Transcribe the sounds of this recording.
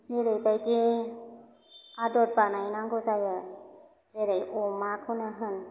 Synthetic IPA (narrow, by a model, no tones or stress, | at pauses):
zeɾejbajdi | adɔt̚banajnaŋɡɯzajɯ | zeɾajɔmakʰɯnaɦɯn